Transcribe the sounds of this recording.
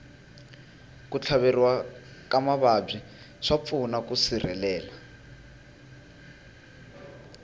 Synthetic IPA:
kut͡ɬʰaβeriwakamaβab͡ʐi | ʂap̪funakusirɛ̰lɛːla

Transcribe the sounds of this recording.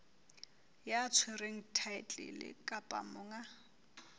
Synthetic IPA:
jat͡sʰwɪreŋ̩tʰaɪt͡ɬʼɪ̰lɪ̰kʼapʼa̰mʊːŋa

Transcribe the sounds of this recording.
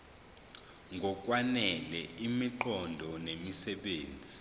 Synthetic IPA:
ŋʱɔk̬ʼwanɛlɛʔimiǃɔndʱɔnemisɛɓeːnd͡zʱi

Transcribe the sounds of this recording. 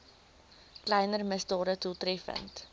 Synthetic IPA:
klɛjnərməsdɑːɾətutɾɛfə̰nt

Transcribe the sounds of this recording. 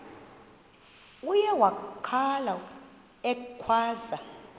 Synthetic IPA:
ujɛwakʰala | ɛkʰwaːza

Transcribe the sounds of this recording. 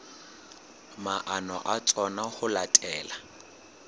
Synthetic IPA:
maʔanɔʔat͡sʼɔnahʊlatʼɛːla

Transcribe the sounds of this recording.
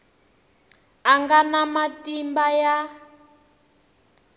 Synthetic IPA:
aŋɡanamatʼimbaja

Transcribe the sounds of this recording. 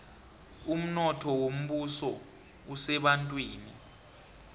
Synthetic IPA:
um̩nɔtʰɔwom̩ɓusɔ | usɛɓantʼwiːni

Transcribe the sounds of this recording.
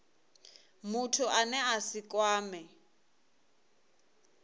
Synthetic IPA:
mutʰuʔanɛasikʼwaːmɛ

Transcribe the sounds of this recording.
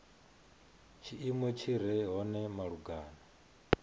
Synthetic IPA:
t͡ʃʰiʔimwɛt͡ʃʰiɾ̤ɛɦɔnɛmaɺuɡaːna

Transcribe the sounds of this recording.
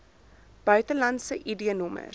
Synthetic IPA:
b̥œɥtəlɐntsəʔidiənɔmə̰

